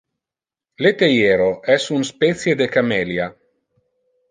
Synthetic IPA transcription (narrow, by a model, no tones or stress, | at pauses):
let̪ejeːɾoʔɛsunspɛt̪sjed̪ekamɛlja